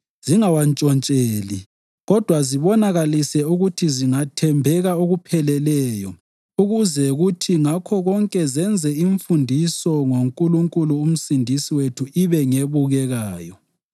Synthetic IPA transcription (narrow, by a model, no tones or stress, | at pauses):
ziŋawant͡ʃʼɔnt͡ʃʼeːli | ɣɔd̥ʱwaziβɔnaɣalisɛuɣutʰiziŋatʰɛmbʱɛɣaoɣupʰɛlɛlɛjɔ | uɣuzɛɣutʰiŋakʰɔɣɔŋkʼɛzɛnd͡zʱɛiɱfundʱisɔŋoŋkʼuluŋkʼuluːm̩sindʱisiwetʰuiβɛŋeβuɣɛɣaːjɔ